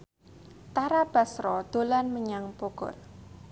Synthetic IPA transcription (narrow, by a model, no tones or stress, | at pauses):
t̪aɾab̥ä̤sɾɔd̪̥o̤lanməɲaŋpoɡ̥ɔ̰r